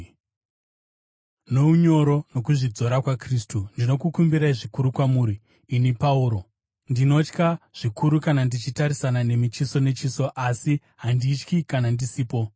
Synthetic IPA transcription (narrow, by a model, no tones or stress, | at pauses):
no̞uɲo̞ɾo̞no̞kuʐid͡zo̞ɾakwakristundino̞kukumbiɾaiʐikuɾukwamuːɾiː | nipauːɾo̞ | ndino̞t͡ʃkaʐ̥ikʰuɾukanandit͡ʃitaɾisanane̞mit͡ʃiso̞ne̞t͡ʃiso̞ʔasi | ɦandit͡ʃkikanandisiːpo̞